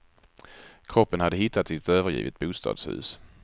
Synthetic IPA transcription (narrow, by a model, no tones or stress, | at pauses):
kʰɾɔpːənhad̪ːəɦɪt̪ːat̪sɪt̪øːvəɾjḭːvɪt̪̚buːst̪ɑ̰ːd̪shʉ̟̰ːs